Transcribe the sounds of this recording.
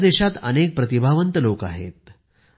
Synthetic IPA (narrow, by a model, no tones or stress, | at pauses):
d̪eɕat̪ə̰nek̚pɾət̪ibʱaʋənt̪əloka̰ɦḛt̪̚